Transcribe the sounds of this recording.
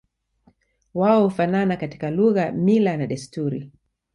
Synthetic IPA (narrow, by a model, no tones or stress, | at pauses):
waɔhufananakati̥kaluɣamilanaɗɛstuɾḭ